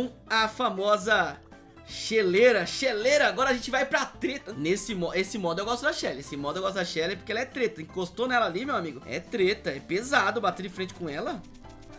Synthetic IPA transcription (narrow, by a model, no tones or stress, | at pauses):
w̃ | ɐfamɔzɐ | ʃeleɾɐʃeleɾɐaɡɔɾɐʒẽnt͡ʃɪvajpɾɐt̪ɾet̪ɐnesɪmɔesɪmɔd̪ʊewɡɔst̪ʊd̪ɐʃɛlɪesɪmɔd̪ʊewɡɔst̪ʊd̪aʃɛlɛpoɾkeɛlɐɛt̪ɾet̪ɐĩkost̪onɛlɐalimewamiɡʊɛ̰t̪ɾet̪ɐɛpezad̪ʊbat̪ed͡ʒɪfɾẽnt͡ʃɪ̥kõɛlɐ